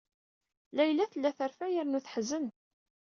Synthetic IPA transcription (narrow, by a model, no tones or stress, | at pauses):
læjlːæθəlːæθəɾfæjəɾnuθħzən